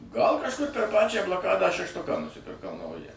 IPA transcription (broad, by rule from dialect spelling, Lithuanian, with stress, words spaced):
ɡɐlˠ kɐʃˈkʊr pʲɛr ˈpɑːt͡ʃʲæː blˠɐˈkɑːdɑː ʃʲɛʃˈtʊkɑː nʊsʲɪpʲɪrˈkɐʊ ˈnɐʊjæː